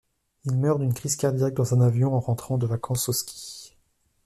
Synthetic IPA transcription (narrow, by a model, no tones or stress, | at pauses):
ilmœʁd̪ynkχizkaʁd̪ijak̚d̪ɑ̃zɛ̃navjɔ̃ɑ̃ʁɑ̃t̪χɑ̃d̪əvakʰɑ̃soskʲʰi̥